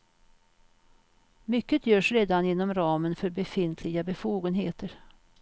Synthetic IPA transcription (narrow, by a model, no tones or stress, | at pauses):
mʏkːət̪ʰjœːʂɾeːd̪anɪnːɔmɾɑːmənfœɾbɛfɪnt̪ʰlɪɡabɛfuːɡənɦeːt̪əɾ